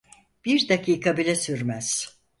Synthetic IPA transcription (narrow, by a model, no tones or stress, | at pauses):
b̥iɾd̪akʰiːkʰabilʲɛsyɾmæz̥